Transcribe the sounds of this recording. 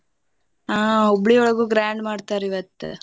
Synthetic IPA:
aːobɭiɔɭɐɡuːɡɾaːɳɖmaːɖt̪aːɾiʋɐt̪ːḛ

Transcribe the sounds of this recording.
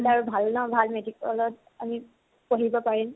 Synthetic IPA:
laɹubʱalnɔbʱalmedikɔ̰lɔt̚ | ami | poɦibɔpaɹin

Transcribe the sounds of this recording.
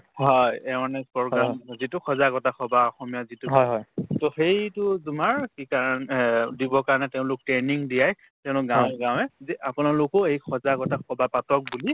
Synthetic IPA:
ɦɔjɛanɛspɔɹɡɹazitʊxʰɔzaɡɔtaxɔbaɔxɔmijazituɦɔjɦɔjtoxejtʊzumaɹkikaɹandibɔkaɹanɛtɛʊ̃lʊk̚tɹɛniŋdijaj | tɛ̃ʊ̃lʊk̚ɡãw̃ɛɡãw̃ɛzɛapʊnalʊkʊejxʰɔzaɡɔtaxʰɔbapatɔk̚buli

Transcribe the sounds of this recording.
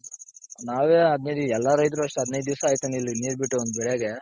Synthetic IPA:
naːʋeːɐd̪nejd̪iɛlːaɾɐjt̪̬ɾuɐʂʈuɐd̪inɐjd̪d̪iʋsaaːjt̪ɐnilːiniːɾbiʈːuond̪ubɛɽeɡe

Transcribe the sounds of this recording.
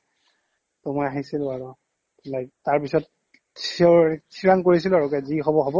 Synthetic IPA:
tɔmɔjaɦisilʊaɹu | lajtaɹpisɔt̚ | ssʰiɹaŋkoɹisilʊaɹukɛzixɔbɔɦɔbɔ

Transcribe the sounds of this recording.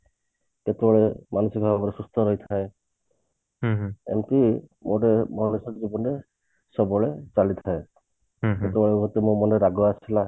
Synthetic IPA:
ket̪ebɔɭemanusɔkɔbabɔɾesust̪ʰɔɾɔɦjt̪ʰae | ḛmpimoɖemɔnusɔkd͡ʒibɔnɾe | sɔbɔɭet͡ʃalit̪ʰae | ket̪ebɔɭeuɡʱɔt̪emumɔneɾaɡɔat͡ʃʰila

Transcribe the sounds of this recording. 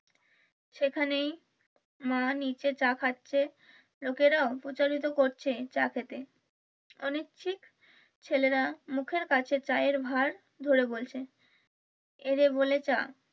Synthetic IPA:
ʃekʰanej | manit͡ɕet͡ɕakʰatːɕʰe | lokeɾaopot͡ɕaɾit̪̬okoɾt͡ɕʰet͡ɕakʰet̪e | ɔnek̚t͡ɕʰik | t͡ɕʰeleɾamukʰeɾkat͡ɕʰet͡ɕajeɾbʱaɾ | d̪ʱoɾebolt͡ɕʰe | eɾebolet͡ɕa

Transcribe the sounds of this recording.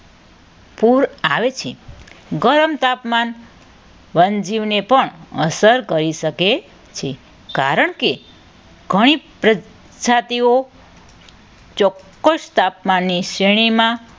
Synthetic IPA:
puɾaʋet͡ʃʰeɡəɾəmt̪apman | ʋənd͡ʒiʋnepəɳəsəɾkəɾiʃəke | t͡ʃʰe | kaɾəɳke | ɡʱəɽ̃ipɾə | d͡ʒat̪io | t͡ʃɔkːəʃt̪apmanːiʃeɽ̃imã

